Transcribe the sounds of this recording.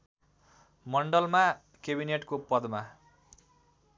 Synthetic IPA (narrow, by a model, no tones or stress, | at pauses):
mʌɳɖʌlma | kebineʈkopʌd̪ma